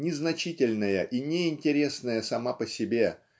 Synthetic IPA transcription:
nʲɪznɐt͡ɕitʲɪlʲnəjəʔinʲɪɪnʲtʲɪɾʲe̞snəjəsɐmapəsʲɪbʲe̞

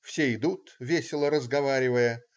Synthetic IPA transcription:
fsʲeɪd̪ut̪vʲesʲɪlˠəɾəzɡɐvaɾʲɪvəjə

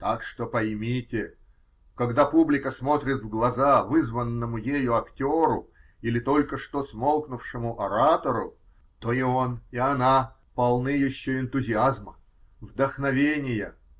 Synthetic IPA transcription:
t̪akʂt̪o̞pɐjmʲitʲɪ | kɐɡd̪apublʲɪkəsmo̞t̪ɾʲɪt̪vɡlˠɐzavɨzvənːəmʊjejʊɐktʲoɾʊ | ilʲɪt̪o̞lʲkəʂt̪o̞smo̞lˠknʊfʂɨmʊʔɐɾat̪əɾʊ̰ | t̪o̞io̞niɐna | pɐlˠnɨjɪɕːoɪnt̪ʊzʲɪazmə | vd̪əxnɐvʲenʲɪjə̰

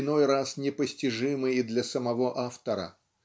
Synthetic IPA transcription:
no̞jrasnʲɪpəsʲtʲɪʐɨmɨjɪd̪lʲɐsəmɐvo̞ʔaft̪əɾə̰

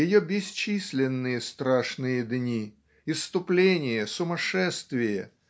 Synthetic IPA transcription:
jɪjobʲɪsʲt͡ɕisʲlʲɪnːɨjəst̪ɾaʂnɨjəd̪nʲi | ɪst̪ʊplʲenʲɪjəsʊmɐʂɛst̪vʲɪjə

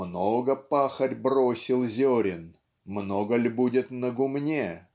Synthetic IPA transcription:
noɡəpaxərʲbrosʲɪlˠzʲoɾʲɪn | mnoɡəlʲbudʲɪt̪nəɡʊmnʲe

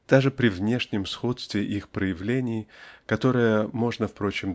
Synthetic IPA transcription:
d̪̥aʐɨpɾʲɪvnʲe̞ʂnʲɪmsxo̞t̪st̪vʲɪʔixpɾəjɪvlʲenʲɪjkɐt̪o̞ɾɨjəmo̞ʐnəfpɾo̞t͡ɕɪm

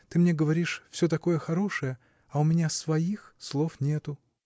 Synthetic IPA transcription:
t̪ɨmnʲeɡəvɐɾʲiʂfsʲɵt̪ɐko̞jəxɐɾo̞ʂɨjə | ɐʊmʲɪnʲasvɐixslˠo̞fnʲe̞t̪ʊ

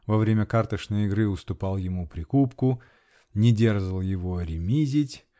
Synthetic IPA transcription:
vɐvɾʲemʲəkart̪əʂnəjɪɡɾɨʊst̪ʊpɑlˠjɪmupɾʲɪkupkʊ | nʲɪdʲerʐəlˠjɪvoɾʲɪmʲizʲɪtʲ

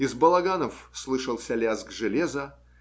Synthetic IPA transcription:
ɪzbəlˠɐɡanəfslˠɨʂəlˠsʲɐlʲazɡʐɨlʲezə

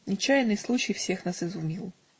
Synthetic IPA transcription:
nʲɪt͡ɕːajnɨjslˠut͡ɕɪjfsʲexnasɪzʊmʲilˠ

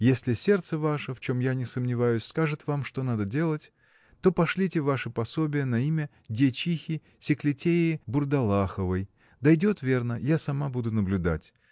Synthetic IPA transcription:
jesʲlʲɪsʲe̞rt̪səvaʂəft͡ɕo̞mjanʲɪsəmnʲɪvajʊsʲskaʐɨt̪vamʂt̪o̞nad̪ədʲe̞lˠətʲ | t̪o̞pɐʂlʲitʲɪvaʂɨpɐsobʲɪjənɐimʲə | dʲet͡ɕixʲɪ | sʲɪklʲɪtʲeɪːbʊrd̪ɐlˠaxəvəj | d̪ɐjdʲo̞t̪vʲe̞rnəjasɐmabud̪ʊnəblʲʊd̪a̰tʲ

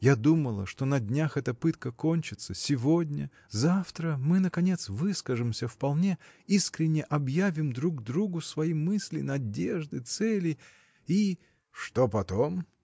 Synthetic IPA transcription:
jad̪uməlˠə̰ʂt̪o̞nɐdʲnʲaxɛt̪əpɨt̪kəkonʲt͡ɕɪt̪səsʲɪvodʲnʲə̰ | zaft̪ɾəmɨnəkɐnʲe̞t̪svɨskəʐɨmsʲəfpɐlˠnʲeiskɾʲɪnʲːəʔɐbjavʲɪmd̪ɾuɡd̪ɾuɡʊsvɐimɨsʲlʲɪ̰nɐdʲeʐd̪ɨt̪sɛlʲɪ | i | ʂt̪opɐt̪o̞m

